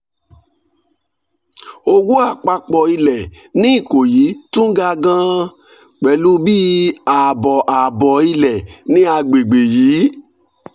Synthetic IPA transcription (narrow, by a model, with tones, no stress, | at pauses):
o˧ɡu˦a˦˨k͡pa˧k͡pɔ˧˨i˧lɛ˨ | nĩ˦i˦˨ko˨ji˨˦tũ˦ɡa˧ɡã˧ | k͡pɛ˨˦lu˦bi˦a˨bɔ˨ʔa˨bɔ˨i˧lɛ˨nĩ˦a˧ɡ͡be˨ɡ͡be˨jiː˨˦